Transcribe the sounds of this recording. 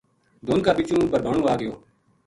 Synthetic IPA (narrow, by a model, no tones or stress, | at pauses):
d̪ʱoːnkaːbɪt͡ʃũːbəɾbʱaːɳũːaːɡɪjoː